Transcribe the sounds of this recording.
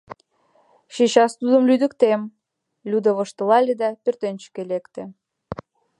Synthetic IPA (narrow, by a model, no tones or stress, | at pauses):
ʃeɕɑst̪ud̪ə̆mlyd̪ə̆kt̪em | lʲud̪əβɤ̆ʃt̪ɤ̆lɑlʲed̪ɑpørt̪ent͡ɕə̥kelekt̪ĕ